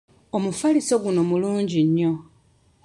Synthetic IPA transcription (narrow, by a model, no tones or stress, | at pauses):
omufaliso̞ɡuno̞muluːɲɟiɲːo̞